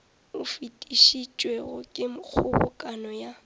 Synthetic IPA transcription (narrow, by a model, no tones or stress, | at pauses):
ʊfitʼiʃit͡ʃʼweɣʊkʼɪmk͡xʰʊbʊ̰kʼanɔja